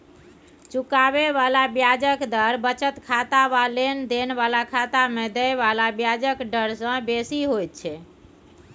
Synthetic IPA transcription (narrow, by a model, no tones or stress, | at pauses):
t͡ʃukaβeβalabjad͡ʒəkd̪əɾbət͡ʃət̪kʰat̪aβalend̪enbalakʰat̪amed̪ɛjβalabjad͡ʒəkɖəɾsə̃besiɦojt̪̚t͡ʃʰɛ